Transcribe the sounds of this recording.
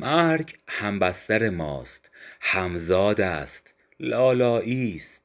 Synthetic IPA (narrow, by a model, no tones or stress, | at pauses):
mæɾɡhæmbæst̪æɾemɒ̰ːst̪hæmzɒːd̪æst̪ | lɒːlɒːʔiːst̪̚